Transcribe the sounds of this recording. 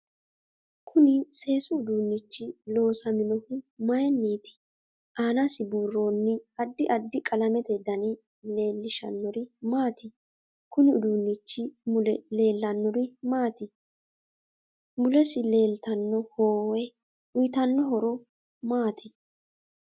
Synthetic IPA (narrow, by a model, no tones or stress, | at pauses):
kʰʊnɪse̞ːsʊːd̪unːɪt͡ʃːɪlo̞ːsɐmɪnɔhʊmɐjɛnːiːt̪ɪ̥ | ʔaːnɐsɪbuːrːo̞ːnːɪɐd̪ːɪʔɐd̪ːɪkʼɐlɐmɛt̪ɛd̪ɐnɪ | le̞ːlːɪʃɐ̰nːɔɾɪmaːt̪ɪ | kʊnɪʊd̪unːɪt͡ʃːɪmʊlɛle̞ːlːɐnːɔɾɪmaːt̪ɪ | mʊlɛsɪle̞ːlt̪ɐnːɔhoːwɛ | ʊjt̪ɐnːɔɦɔɾɔ | maːt̪ɪ